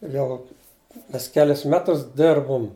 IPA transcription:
ˈjɛʊ ˈmʲɛs ˈkʲæːlʲɪs ˈmʲæːtʊs ˈdʲɪrbʊm

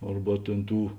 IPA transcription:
ˈɐrbɐ tʲeːn ˈtuː

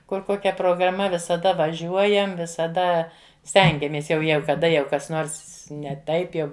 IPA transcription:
ˈkʊr ˈkoːkʲɛ proːɡrɐˈmɐ ʋʲɪsɐˈdɐ ʋɐˈʒʲuɔjɛm ʋʲɪsɐˈdɐ ˈsʲtʲɛŋʲɡʲɛmʲeːs ˈjɛʊ ˈjæːɡʊ kɐˈdɐ jɛʊ ˈkɐs ˈnoːrs nʲɛ ˈtɐɪp jɛʊ

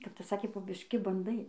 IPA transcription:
kɐp ˈtɐs ˈsɑːkʲeː poː bʲɪʃʲˈkʲɪ bɐnˈdɐɪ

